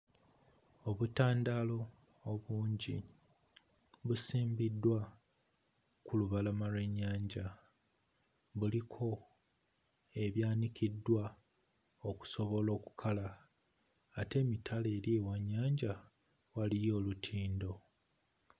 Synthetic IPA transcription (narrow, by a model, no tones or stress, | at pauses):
o̞βutaːndalo̞ː | βuːɲɟḭ | βusiːmbidːwa | kʰuluβalamalwe̞ɲːaːɲɟa | βulikʰo̞ | e̞βjaːnikidːwa | oku̥so̞βo̞lo̞ːku̥kʰalaː | te̞ːmitʰale̞ːɾiewaɲːaːɲɟa | walijo̞ːlutʰiːndo̞